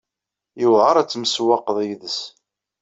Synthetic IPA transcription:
jəvʁəɾˤæt͡sːməswɑqðˤjðəs

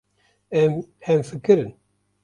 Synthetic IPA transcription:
ɛmhɛmfɨkɨɾɨn

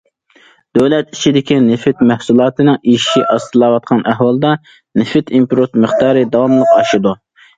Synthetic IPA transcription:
d̪̥øwlɛt̪it͡ʃʰid̪ɪkʲinɪfɪt̪mæhsulˠɑːt̪ʰɨnɨŋiʃiʔɑst̪ʰɨlˠɑːwɑt̪̚qʰɑnʔæɦwɑlˠd̪ɑ | nɪfɪt̪ʰimpɾot̪mɨχt̪ɑːɾɨd̪ɑwɑmlˠəqɑʃɨd̪u

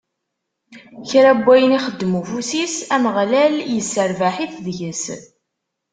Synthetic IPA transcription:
çɾæbʷːæjəniχəd̪ːmufusisæməʁlæljəsːəɾvaħiθðʝəs

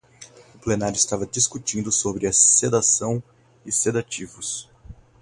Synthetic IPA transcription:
ʊplenaɾjʊɪst̪avɐd͡ʒiskut͡ʃĩnd̪ʊsobɾɪɐsed̪asɐ̃w̃ | ɪsed̪at͡ʃivʊs

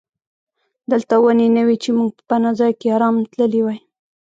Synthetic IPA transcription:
d̪əlt̪awənenawit͡ʃemuɡ̚pə̥panazɑjkeɑɾɑmt̪ləliwaj

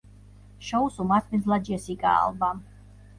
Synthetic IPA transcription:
ʃɔusumat̪ʰminzlad͡ʒiɛsikʼa̰ːlˠbam

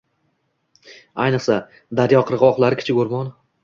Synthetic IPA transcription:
ajnɨqsa | d̪aɾjɒqʰɨɾʁɒχlˠaɾɪkʰʲɪ̥t͡ʃʰɪɡoɾmɒn

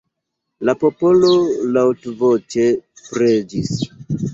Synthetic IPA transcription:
lapo̞po̞lolawtvot͡ʃepɾed͡ʒis

